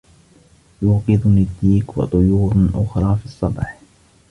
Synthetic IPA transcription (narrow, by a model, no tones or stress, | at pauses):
juːqɪðʊnɪd̪ːiːkwɑ̰t̪ˤʊjuːɾˤʔʊxɾˤɑːfisˤːɑbħ